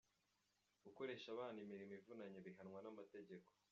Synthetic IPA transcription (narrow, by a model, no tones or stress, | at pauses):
ɡ̥uko̞ɾe̞ːʃaβaːndimiɾimoivunaɲeβiɦanŋwanamate̞ɟe̞ko̞̥